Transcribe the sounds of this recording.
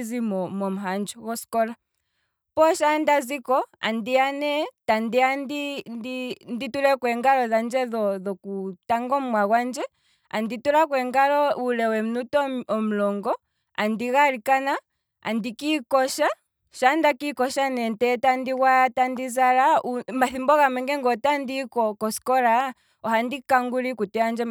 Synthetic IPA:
zimɔmɔm̩ɦand͡ʒɔɣɔskɔla | pɔʃandazikɔa̰ndianɛtandiandindinditulɛkwɛŋɡalɔðand͡ʒɛðɔðɔkutaŋɡɔmmwaɣwand͡ʒɛ | a̰ndituɾakwɛŋɡalɔulɛwɛm̩nutɔɔm̩lɔŋɡɔ | a̰ndiɣaɾikana | a̰ndikikɔʃa | ʃandakikɔʃanɛntɛtandiɣwatandizaɾaumaθimbɔɣamɛŋɡɛŋɡɔtandikɔkɔskɔɾa | ɔhandikaŋɡuɾikutɛand͡ʒɛ

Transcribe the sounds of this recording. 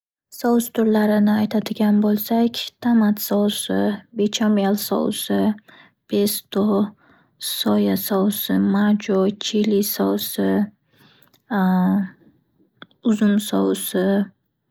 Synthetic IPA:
sɒwst̪ʰʊɾlaɾɪnɪajt̪ʰad̪ɪɡʲanbolˠsakʲt̪ʰamat̪sɒwsɪbet͡ʃʰamijalˠsɒ̰wsɪ | b̥est̪ʰo | sɒjasɒwsɪmad͡ʒot͡ʃʰilisɒwsɪ | ʊzʊmsɒ̰wsɪ

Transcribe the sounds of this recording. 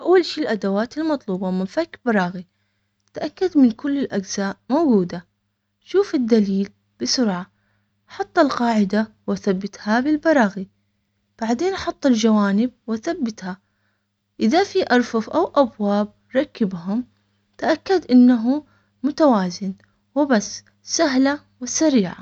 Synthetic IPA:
ʔawːalʃiːlʔad̪awaːt̪ɪlmɑt̪ˤluːbɑmɪnfakbɑɾˤɑːɣi | t̪ʔakːad̪mɪnkʊlːɪlʔaɡz̥aːʔmowɡuːd̪a | ʃuːfɪd̪ːaliːl | b̥ɪsʊɾʕa | ħɑt̪ˤːɑlqɑːʕɪd̪a | waθabːɪt̪habɪlbɑɾˤɑːɣi | b̥aʕd̪eːnʔħʊt̪ˤːɪld͡ʒawaːnɪb̚waθabːɪt̪ha | ʔɪðafiʔɑɾˤfʊfʔawʔabwaːb̚ | ɾˤɑkːɪbɦʊm | t̪aʔakːad̪ʔɪnːaɦu | mʊt̪awaːzɪn | wɪbasː | saɦla | wɪsaɾiːʕa̰

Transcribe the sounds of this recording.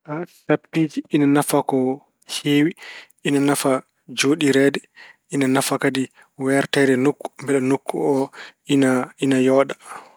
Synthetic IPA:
ʔasaptːiːd͡ʒiʔːnanafakɔ | heːwiʔinanafa | d͡ʒoɗiɾɛdɛ | ʔinanafakadi | wɛɾtɛdɛnukːu̥mbɛɗɛnukːuɔinainajɔːɗa

